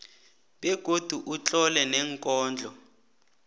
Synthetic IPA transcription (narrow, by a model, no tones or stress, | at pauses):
ɓɛɡ̥ʱod̥ʱuʔut͡ɬʼɔlɛnɛŋkʼɔːnd͡ɮʱɔ